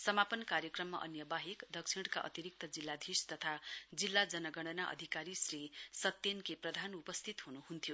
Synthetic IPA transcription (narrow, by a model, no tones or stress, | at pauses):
sʌmapʌnkaɾjʌkrʌmːa̰ʔʌ̰njʌbaɦikd̪ʌksʰiɽkaʔʌ̰t̪iɾik̚t̪ʌd͡zilːad̪ʱist̪ʌt̪ʰad͡zilːad͡zʌnʌɡʌɽ̃ʌnaʔʌ̰d̪ʱikaɾisrisʌt̪ːenkeprʌd̪ʱanupʌst̪ʰit̪ɦunuɦunt̪ʰijo